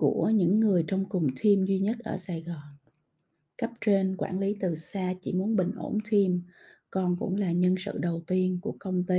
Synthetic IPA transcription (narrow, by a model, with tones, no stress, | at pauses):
ku˧˩əɲɨ̰˧˥ŋːɨ˨˩əjt͡ɕɔ˧wŋ͡mkʊ˨˩ŋ͡mt̪ʰi˧mzwi˧ɲə˦˥t̚ʔəː˧˩saː˧˩jɣɔ˨˩n | kə˦˥p̚t͡ɕe˧nkwaː˧˩nli˨˦t̪ɨ˨˩saː˧t͡ɕḭ˧˩mu˨˦ənɓï˨˩ŋ̟ʔo˧˩nt̪ʰi˧m | kɔ˨˩nkʊ̰˧˥ŋ͡mlaː˨˩ɲə˧nsɨ̰˧˨ɗə˨˩wt̪i˧ənku˧˩əkə˧wŋ͡mt̪i˧